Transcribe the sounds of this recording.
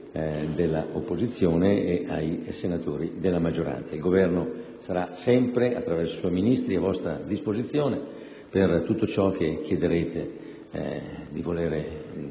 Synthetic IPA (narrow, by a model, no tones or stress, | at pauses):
d̪elːa̰opːozit̪sːjoːneeajsenat̪oːɾid̪elːamad͡ʒːoɾa̰nt̪sailɡovɛrnosaɾasɛmpɾeʔat̪ːɾavɛrsoiswɔjminist̪ɾiavɔst̪ɾa̰d̪ispozit̪sːjoːne | pert̪ut̪ːot͡ʃɔk̟ːekːjed̪eɾeːt̪ḛ | d̪ivoleːɾe